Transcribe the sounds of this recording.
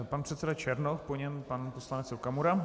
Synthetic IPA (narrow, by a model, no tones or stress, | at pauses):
panpr̥ɛt̪sɛdat͡ʃɛɾnofpoɲɛmpanposlanɛt͡sɾokamuɾa